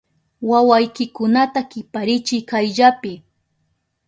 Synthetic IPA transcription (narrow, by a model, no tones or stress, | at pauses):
wawajkɪkʊnat̪akɪpaɾɪt͡ʃɪjkajʎapɪ